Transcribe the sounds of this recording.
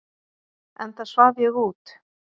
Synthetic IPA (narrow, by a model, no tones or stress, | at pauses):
ɛnθasvavjɛɣuːt̪